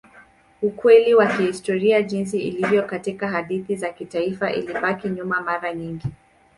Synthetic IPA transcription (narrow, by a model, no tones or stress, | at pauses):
ukwɛliwakihistɔɾiaʄins̬iilivjɔkatikaɦaɗiθizakitaifaʔḭliɓakiɲumamaɾaɲiŋɡi